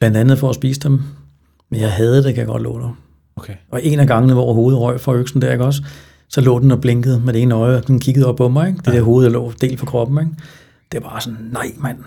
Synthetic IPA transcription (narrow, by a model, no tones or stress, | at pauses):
b̥lænd̥ænð̞̩ˠfɒ̽æsb̥ḭːsəd̥em | menjɑ̈ɪɦɛð̞ˠd̥e̝kʰæjɑɡɒ̽d̥lɔ̰ːd̥e | ɒ̽ʔe̝næɡ̥ɑ̈ŋnəʋɒ̰ːɦo̝ːð̞̩ˠʁɒ̽ɪ̰fʁɑ̈øɡ̥sn̩d̥æɐeɡ̥ɒ̽s̬ | sɒ̽lɔ̰̽ːd̥enɒb̥le̝ŋɡ̥əð̞̩ˠmed̥e̝ːnəɒ̽ɪɒ̽d̥enkʰiɡ̥ð̞̩ˠɒ̽b̥̚pʰɒ̽mɑ̈ɪeɡ̥d̥e̝d̥e̝ɐ̰ɦo̝ːð̩ˠjɑlɔ̰ːd̥e̝̰ːlpʰɒ̽kʰʁɒ̽b̥m̩eɡ̥ | d̥e̝æɐbɑ̈ːsɒ̽nːɑ̈ɪ̰mæn̰